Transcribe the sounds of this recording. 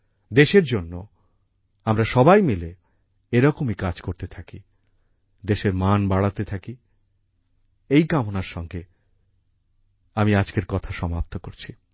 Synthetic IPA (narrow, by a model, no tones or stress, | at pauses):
d̪eʃeɾd͡ʑonːo | amɾaʃɔbajmile | eɾɔkomikad͡ʑkoɾt̪et̪ʰaki | d̪eʃeɾmanbaɽat̪et̪ʰaki | ejkamonaɾʃɔŋɡe | amiad͡ʑkeɾkɔt̪ʰaʃɔmap̚t̪okoɾt͡ɕʰi